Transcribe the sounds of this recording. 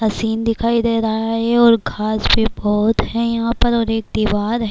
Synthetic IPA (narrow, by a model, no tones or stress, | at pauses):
hɐsiːnd̪ɪkʰaːid̪eːɾɐɦaɦɛɔːɾɡʱaːsbʱibɔːt̪ɦɛjɐɦãːpɐɾɔːɾeːk̚d̪iʋaːɾɦɛ